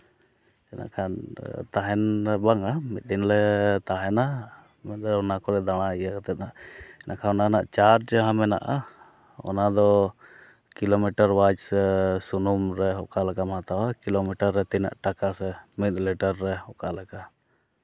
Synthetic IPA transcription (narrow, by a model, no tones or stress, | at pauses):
ɛnʔa̰ʔkʰant̪aɦɛnɛbaŋamit̪̚ˀd̪inlɛt̪aɦɛna | mɛt̪̚ɛɔnakɔɾɛd̪aɽ̃aijakat̪ɛt̪̚naɛnʔa̰ʔkʰanɔnana̰ʔt͡ʃaɾd͡ʒɦãmɛna̰ʔa | ɔ̰nad̪ɔ | kilomiʈaɾwad͡ʒsɛsunumɾɛɦɔʔkaʔlakamãt̪awakilomiʈaɾːɛt̪ina̰ʔʈakasɛmit̪̚liʈaɾːɛhɔkaʔlaka